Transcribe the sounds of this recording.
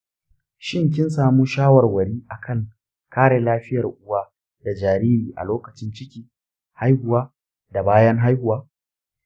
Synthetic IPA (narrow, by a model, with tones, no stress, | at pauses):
ʃɪ˦ŋk̬ʲɪ˦nsaː˨muː˦ʃaː˦wɐ˨rwɐ˨ɽiː˦ʔa˨kʰɐ˦˨ŋ | kaː˦ɽeː˨laː˦ɸɪ˦jɐ˨rʔʊ˦wa˦ | da˨d͡ʒaː˨ɾiː˦ɾiː˨ʔa̰˨loː˦kɐ˨t͡ʃɪ˦nt͡ʃɪ˦kʲiː˦ | ha˦jhʊ˨waː˦ | da˨baː˦jɐ˦ŋɦa˦jhʊ˨waː˦